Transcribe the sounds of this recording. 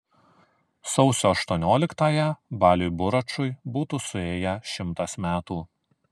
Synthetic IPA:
sɔʊsʲoːɐʃt̪uɔnʲoːlʲɪkt̪ɑːjɛbɑːlʲujbʊɾɐt͡ʃʊjbuːt̪uːsʊeːjɛʃʲɪmt̪ɐsmʲæːt̪uː

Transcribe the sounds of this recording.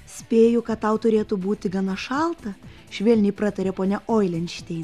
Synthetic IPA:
sʲpʲeːjʊkɐt̪t̪ɐʊt̪ʊɾʲeːt̪ʊbuːt̪ʲɪɡɐnɐʃɑlˠt̪ɐ | ʃʲʋʲɛlʲnʲɪpɾɑt̪ɐɾʲɛpoːnʲɛʔoːɪlʲɛnʲʃʲt̪ʲɛɪn

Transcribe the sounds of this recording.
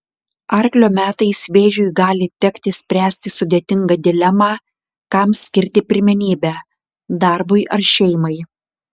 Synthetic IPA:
ɐɾʲklʲoːmʲæːt̪ɐɪsʋʲeːʒʲʊjɡɑːlʲɪt̪ʲɛkʲt̪ʲɪsʲpʲɾʲæːsʲt̪ʲɪsʊd̪ʲeːt̪ʲɪŋɡɐd̪ʲɪlʲɛmɑː | kɐmsʲkʲɪɾʲt̪ʲɪpʲɪɾʲmʲɛnʲiːbʲæː | d̪ɑˑɾbʊɪʔɐɾʃʲɛɪmɐɪ

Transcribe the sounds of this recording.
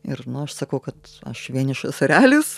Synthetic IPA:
ɪrnʊɐʃsɐkɐʊkɐt̪ | ɐ̰ʃʋʲiɛnɪʃʋɐsɐɾʲæːlʲʊs

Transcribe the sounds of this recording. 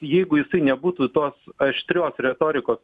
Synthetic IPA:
jɛɪɡʊjɪsɐɪnʲɛbuːt̪uːt̪oːsɐʃʲt̪ʲɾʲoːsɾʲɛt̪oːɾʲɪkoːs

